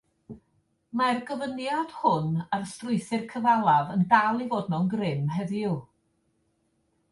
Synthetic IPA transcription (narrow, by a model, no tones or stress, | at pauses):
marɡəvənjad̥hʊnarstrʊɨθɨrkʰəvalˠavəndalˠivoːd̚nɔnɡrɪmɦɛðjju